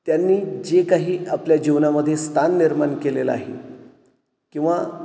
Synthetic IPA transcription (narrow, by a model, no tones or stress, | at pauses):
t̪janːiːd͡ʑekaɦiːapljad͡ʑiʋnaməd̪ʱːjest̪ʰanːiɾmankelela̰aɦḛ | kĩw̃ʋa